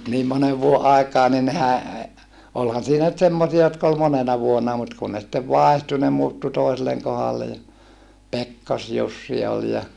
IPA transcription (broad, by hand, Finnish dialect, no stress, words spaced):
niːm moneʋ ʋuoʔ ʔɑikˑɑː ni nehæ olhɑn siːnæ nyt semːosiɑ jotk ol monenɑ ʋuonːɑ mut kun ne sĭtːeʋ ʋɑˑehtu ne muːtːu toiselːeŋ kohɑlːe jɑ pekːɑsjusːi ol jɑ